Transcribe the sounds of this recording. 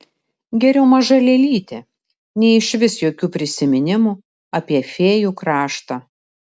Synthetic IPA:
ɡʲɛɾʲɛʊmɐʒɐlʲɛlʲiːt̪ʲeː | nʲɛɪɪʃʲʋʲɪsjoːkʲuːpʲɾʲɪsʲɪmʲɪnʲɪmu | ɐpʲiɛfʲeːjuːkɾɑːʃt̪ɑː

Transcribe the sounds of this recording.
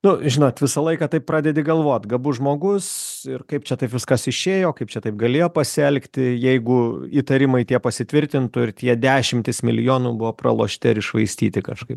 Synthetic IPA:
nʊʒʲɪnoːt̪ʋʲɪsɐlˠɐɪkɑːt̪ɐɪp̚pɾɑːdʲɛd̪ʲɪɡɐlˠʋoːt̪ʲɡɐbʊʒmoːɡʊsɪrkɐɪp̚t͡ʃʲɛt̪ɐɪpʋʲɪskɐsɪʃʲeːjoːkɐɪpt͡ʃʲɛt̪ɐɪp̚ɡɐlʲeːjoːpɐsʲɪɛlʲkt̪ʲɪjɛɪɡʊiːt̪ɐɾʲɪmɐɪt̪ʲiɛpɐsʲɪt̪ʲʋʲɪɾʲt̪ʲɪnt̪ʊɪrt̪ʲiɛd̪ʲæːʃʲɪmʲt̪ʲɪsmʲɪlʲɪjoːnubʊʋoːprɐ̰lˠo̰ːʃʲt̪ʲɪɪɾɪʃʋɐɪsʲt̪ʲiːt̪ʲɪkɐʃkɐɪp

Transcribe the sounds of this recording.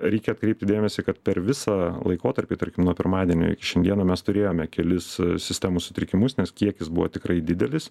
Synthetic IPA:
ɾʲɛɪkʲɛɐt̪kɾʲɛɪp̚ʲt̪ʲɪd̪ʲeːmʲɛsʲɪkɐt̪pʲɛɾʋʲɪsɑːlˠɐ̰ɪkoːt̪ɐɾʲpʲiːt̪ɐɾʲkʲɪmnuɔpʲɪɾmɑːd̪ʲiɛnʲo̰ɪ̰kʲɪ̥ʃʲɛnʲd̪iɛnɐmʲɛst̪ʊɾʲeːjoːmʲɛkʲɛlʲɪssʲɪsʲt̪ʲæmusʊt̪ʲɾʲɪkʲɪmʊsnʲɛskʲiɛkʲɪsbʊʋo̰t̪ʲɪkɾɐɪd̪ʲɪd̪ʲɛlʲɪs

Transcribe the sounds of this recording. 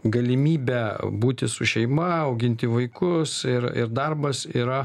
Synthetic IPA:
ɡɐlʲɪmʲiːbʲæbuːt̪ʲɪsʊʃʲɛɪmɐɐʊɡʲɪnʲt̪ʲɪʋɐɪkʊsɪɾɪ̰ɾd̪ɐrbɐsiːɾɐ

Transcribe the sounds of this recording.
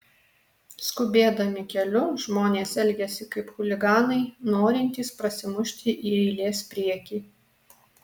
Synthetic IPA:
skʊbʲeːd̪ɐmʲɪkʲɛlʲʊʒmoːnʲeːsɛlʲɡʲɛsʲɪkɐɪpxʊlʲɪɡɑːnɐɪnoːɾʲɪnʲt̪ʲiːspɾɐsʲɪmʊʃʲt̪ʲɪʔiːɛɪlʲeːspʲɾʲiɛkʲiː

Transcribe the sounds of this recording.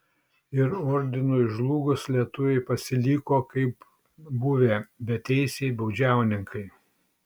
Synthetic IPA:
ɪɾɔɾʲd̪ʲɪnoɪʒlˠuːɡʊslʲiɛt̪ʊʋʲɛɪpɐsʲɪlʲiːkoːkɐɪp | bʊʋʲeːbʲɛt̪ʲɛɪsʲeɪbɐʊd͡ʒʲæˑʊnʲɪŋkɐɪ

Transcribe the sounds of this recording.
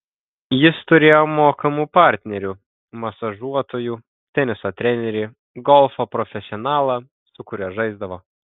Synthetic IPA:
jɪst̪ʊɾʲeːjoːmoːkɐmuːpɑˑɾʲt̪ʲnʲɛɾʲuː | mɐsɐʒuɔt̪oːjuː | t̪ʲɛnʲɪsoːt̪ʲɾʲɛnʲɛɾʲeː | ɡɔlˠfopɾɔfʲɛsʲɪɔnɑːlˠɐ | sʊkʊɾʲɛːʒɐɪzd̪ɐʋoː

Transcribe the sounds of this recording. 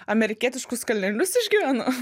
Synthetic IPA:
ɐmʲɛɾʲɪkʲiɛt̪ʲɪʃkʊskɐlʲnʲɛlʲʊsɪʒʲɡʲiʋʲæːno

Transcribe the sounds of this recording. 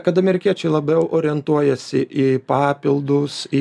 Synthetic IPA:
kɐt̪ɐmʲɛɾʲɪkʲiɛt͡ʃʲɛɪlˠɐbʲɛʊʔoːɾʲɪɛnt̪uɔjɛsʲɪʔipɑːpʲɪlˠd̪ʊsɪ

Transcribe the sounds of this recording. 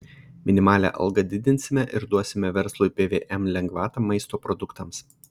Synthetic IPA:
mʲɪnʲɪmɑːlʲæ̰ʔɐ̰lˠɡɐd̪ʲɪd̪ʲɪnʲsʲɪmʲɛʔɪɾd̪uɔsʲɪmʲɛʋʲɛɾslˠupʲeːʋʲeːʔɛmlʲɛŋɡʋɑːt̪ɑmɐɪst̪oːpɾɔd̪ʊkt̪ɐms

